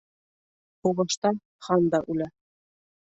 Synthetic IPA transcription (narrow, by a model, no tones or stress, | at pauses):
huβɑʃt̪ɑ | χɑnd̪ɑʔʉlæ